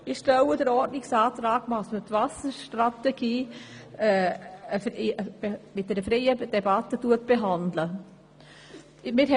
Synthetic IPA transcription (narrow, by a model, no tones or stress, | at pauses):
ɪʃtɛwədəɾɔɾdnɪksɑːt̪ɾɑːɡmɑsmət̪vɑsəʃtɾatɛɡ̥iːɛːəfɪəbemɪt̚dɛɾəfɾɛjəd̥ɛbɑtːətuətb̥eɦɑndlə | mɪɾɛ